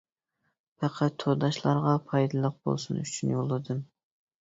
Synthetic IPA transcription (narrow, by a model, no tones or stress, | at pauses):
pʰɛqʰæt̪ʰːod̪ɑʃlˠɑɾʁɑpʰɑjd̪ɨlˠəq̚bo̰lˠsunyt͡ʃʰynjolˠːɨd̪ɨm